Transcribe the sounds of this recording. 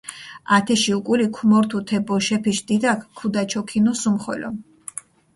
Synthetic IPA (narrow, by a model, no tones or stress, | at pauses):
at̪ʰɛʃiukʼulikʰumɔɾt̪ʰut̪ʰɛbɔʃɛpʰiʃd̪id̪akʰkʰːud̪at͡ʃʰɔkʰinusumχwɛ̰lɔ̰